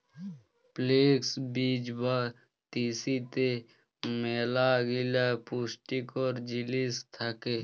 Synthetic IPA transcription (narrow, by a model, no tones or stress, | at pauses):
pleːksbiːd͡ʒba | t̪iːsit̪e | meːlaɡɪlapusʈikɔːɾd͡ʒɪlist̪ʰakeː